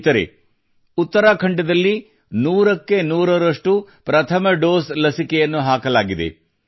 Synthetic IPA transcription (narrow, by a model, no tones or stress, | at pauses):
t̪ɐɾḛ | ut̪ːɐɾaːkʰɐɳɖɐd̪ɐlːi | nuːɾɐkːe̞nuːɾɐɾɐʂʈu | pɾɐt̪ʰɐmɐɖoːslɐsikɛjɐnːuɦaːkɐlaːɡid̪e̞̰